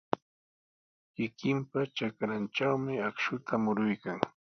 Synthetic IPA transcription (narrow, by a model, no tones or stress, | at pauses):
kɪkɪmpat͡ʃakɾant͡ʃawmɪakʃʊt̪ʰamʊɾʊjkaŋ